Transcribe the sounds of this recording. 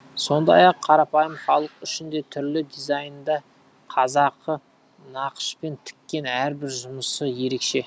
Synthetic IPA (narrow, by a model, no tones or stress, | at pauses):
so̞nd̪ɑ̰jɑqʰːɑɾɑpɑjəmχɑlˠəqʏʃɪnd̪e̞t̪ʰʏɾlɪd̪izɑjnnd̪ɑ | qʰɑzɑqːə | nɑqə̥ʃpe̞nt̪ʰɪ̥kʲːe̞næɾbɪɾʒʊməsəje̞ɾe̞kʃe̞